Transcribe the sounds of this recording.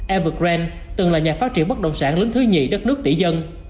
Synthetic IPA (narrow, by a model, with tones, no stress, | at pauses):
ʔɛ˧vɨ˨˩k̚zɛ˧n | t̪ɨ˨˩ŋlaː˨˩ɲaː˨˩faː˦˥t̚t͡ɕi˧˩ənɓə˦˥t̚ɗə̰˧˨wŋ͡msaː˧˩nlə˨˦ŋt̪ʰɨ˨˦ɲi˨˩ɗə˦˥t̚nɨ˦˥ək̚t̪ḭ˧˩zə˧n